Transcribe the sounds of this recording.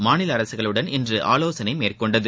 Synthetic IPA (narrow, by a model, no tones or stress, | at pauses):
maːnɪlɐɐɾɐsɯɣɐɭɯɽɐnɪndrɯʔa̰ːloːsɐnɐɪmeːrkɔɳɖɐðɯ